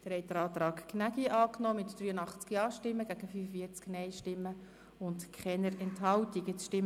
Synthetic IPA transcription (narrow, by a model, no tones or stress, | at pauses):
d̥əɾhɛɪt̚d̥əɾɑːt̪ɾɑːkknæɡiʔɑːknɔːmɪtd̥ɾyːənɑχt͡skjɑːʃtɪmːəɡ̥æɡ̥əfyːfəfiəɾt͡sknɛɪʃtɪmːə | ʊntkʰχɛnəɾɛntɦɑltiɡɛt͡sʃtɪm